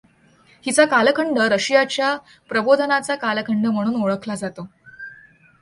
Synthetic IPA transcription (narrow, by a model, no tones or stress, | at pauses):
hit͡sakaləkʰəɳɖəɾəɕijat͡ɕja | pɾəbod̪ʱənat͡sakaləkʰəɳɖəm̤əɽ̃uːnoɭəkʰlad͡zat̪o